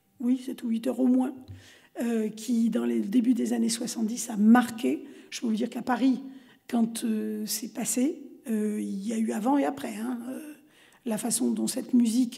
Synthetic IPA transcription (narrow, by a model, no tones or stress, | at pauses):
wiset̪ɛɥit̪œʁomwɛ̃ | økʲʰid̪ɑ̃led̪ebyd̪ezaneswasɑ̃t̪̚d̪isamaʁkʲeʒ̥ə̥pøvud̪iʁkapaʁi | kɑ̃t̪øsɛpaseøiljayavɑ̃eapχɛɛ̃ø | lafasɔ̃d̪ɔ̃sɛt̪myzik